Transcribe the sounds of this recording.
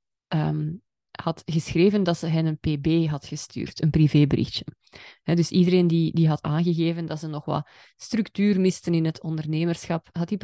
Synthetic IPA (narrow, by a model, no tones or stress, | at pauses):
ʔəːm | hɑtɣəsxreːvəndɑtsəɦɛnənpeːbeːɦɑtxəsty̰ːrtənpriveːbəɾɪ̰xtə̥ | hɛdɵsidəɾeːndidiɦɑtaːnɣəɣeːvəndɑtsənɔxʋɑ̰l | strʉktyːrmɪstənɪnɦətʰɔndərneːmərsxɑpɦɑtip